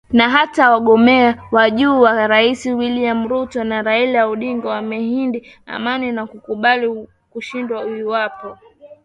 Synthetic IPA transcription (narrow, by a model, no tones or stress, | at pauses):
naɦatawaɠɔmɛawaʄuːwaɾaisiwiliam̩ɾutɔnaɾailauɗiŋɡɔwamɛhindi | a̰maninakukuɓali | kuʃindwauiwapɔ